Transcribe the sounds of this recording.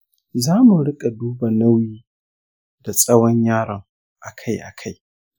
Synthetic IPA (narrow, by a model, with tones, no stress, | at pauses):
zaː˦mu˨ɽɪ˦kʼa˨duː˦ba˨nɐ˦wjiː˦ | d̥a˨sʼɐ˦wɔ˦ɲjaː˦ɽɐ˨ŋ | ʔa˨kʰa˦jʔa̰˨kʰa˦j